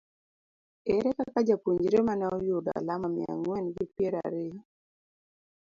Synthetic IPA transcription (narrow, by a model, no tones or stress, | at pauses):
ɛɾɛkakad͡ʒapuɲd͡ʒɾemanaɔjoda̰lamamj̰a̰ŋwɛnɡɪpjeɾa̰ɾe